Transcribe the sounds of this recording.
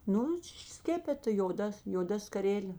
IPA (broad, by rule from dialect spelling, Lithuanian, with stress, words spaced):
ˈnʊ ˈʃʲɪʃ ˈsʲkʲæːpʲɛtɐ joːˈdɐ joːˈdɐ skɐˈrʲæːlʲeː